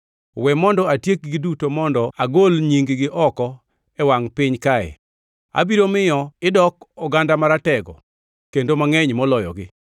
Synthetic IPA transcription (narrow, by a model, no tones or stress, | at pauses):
wɛmɔndɔatjek̚ɡɪdutomɔndɔaɡolɲiŋɡɡɪʔɔkɔ | ɛwaŋpɪɲkaɛ̰ | a̰biɾomɪjɔɪdɔkɔɡandamaɾatɛɡɔ̰ | kendomaŋɛɲmɔlɔjɔ̰ɡɪ